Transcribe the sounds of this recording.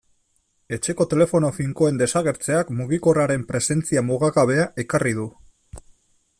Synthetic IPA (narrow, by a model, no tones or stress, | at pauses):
e̞t͡ʃe̞ko̞t̪e̞le̞fo̞no̞fiŋko̞e̞nd̪e̞saɣ̞e̞ɾt͡se̞akmuɣ̞iko̞raɾe̞mpɾe̞se̞nt͡siamoɣ̞aɣaβ̞e̞aʔe̞karið̞u